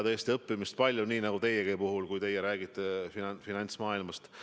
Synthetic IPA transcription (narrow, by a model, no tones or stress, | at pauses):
t̪est̪iɤpːˑimist̪̚pɑlʲjuniːnɑɡ̥ut̪e̞jeɡ̥epuɦulkujt̪e̞jeɾæːɡit̪ːˑeffinɑnʲt̪smɑːilmɑst̪